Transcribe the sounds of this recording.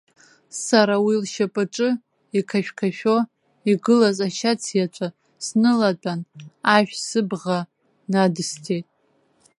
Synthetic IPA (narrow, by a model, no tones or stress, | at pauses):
saɾawilʃapʼɨʈ͡ʂʼɨ | ikʰaʃᶣkʰaʃᶣo | iɡɨlazaʃat͡sʰjat͡ʃʷʰʼa | snɨlat͡pʼanaʒᶣʷsɨbʁa | nadɨstʰejtʼ